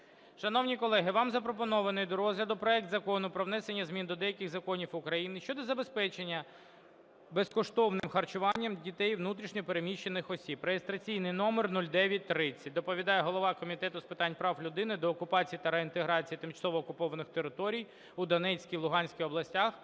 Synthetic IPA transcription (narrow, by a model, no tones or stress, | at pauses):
ʃɐnɔwnʲikɔlˠɛɦɪʋɑmzɐpɾɔp̬ɔnɔʋɐnɔjd̪ɔɾɔzɦlʲɐd̪ʊpɾɔɛk̚t̪zɐkɔnʊpɾɔʋnɛsenʲːɐzmʲind̪ɔd̪ɛjɐkʲɪɣzɐkɔnʲiwʊkɾɐjinɪʃt͡ʃɔd̪ɔzɐbe̞spɛt͡ʃenʲːɐ | beskɔʃt̪ɔwnɪmxɐrt͡ʃʊʋɑnʲːɐmdʲit̪ɛjʋnut̪ɾʲiʃnʲɔpeɾemʲiʃːe̞nɪxɔsʲibɾejest̪ɾɐt͡sʲijnɪjnɔmernulʲd̪ɛʋʲjɐt̚ʲt̪ɾɪt͡sʲːɐt̚ʲd̪ɔpɔʋʲid̪ɑjɛɦɔlˠɔʋɑkɔmʲit̪ɛt̪ʊspɪt̪ɑnʲpɾɑwlʲʊd̪ɪnɪd̪ɔːkʊpɑt͡sʲijit̪ɐɾeint̪eɦɾɑt͡sʲijit̪ɪmt͡ʃɐ̥sɔʋɔːkʊpɔʋɐnɪxt̪eɾɪt̪ɔɾʲij | ud̪ɔnɛt͡sʲkʲijlˠʊɦɑnʲsʲkʲijɔblˠɐsʲtʲax